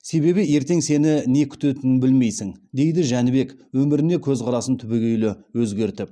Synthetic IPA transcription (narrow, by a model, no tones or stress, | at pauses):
se̞βe̞βɪje̞ɾt̪e̞ŋse̞nɪne̞kʲʰʏ̥t̪et̪ɪnɪnbɪlme̞jsɪŋd̪e̞jd̪ɪʒænɪbe̞kwɵmɪɾɪne̞kʲʰɵzqʰɑɾɑsənt̪ʰʏbeɡʲejlɪwɵzɡʲe̞ɾt̪ɪp̚